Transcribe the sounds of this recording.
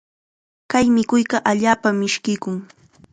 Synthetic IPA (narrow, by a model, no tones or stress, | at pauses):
kajmɪkʊjɢɑʔaʎaːpamːɪʃkɪjkʊŋ